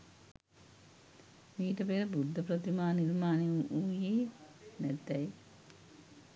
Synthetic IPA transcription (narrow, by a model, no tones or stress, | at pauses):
miːʈɐpeːɾɐbud̪ʱːɐpɾɐt̪imaːniɾmaːniujinet̪ːɐj